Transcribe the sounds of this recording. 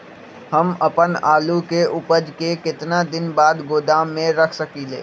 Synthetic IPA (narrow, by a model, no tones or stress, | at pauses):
hɐmɐpənaːlukeʊpəd͡ʒkekɪt̪nad̪ɪnbaːd̪ɡoːd̪aːmːẽɾɐkʰsɐkiːlḛː